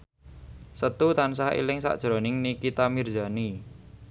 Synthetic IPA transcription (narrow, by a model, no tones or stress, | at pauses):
sət̪ut̪ansaɦḭlɪŋsa̰ʔd̥ʒ̥ɾonɪŋnikit̪amird͡ʒa̤ni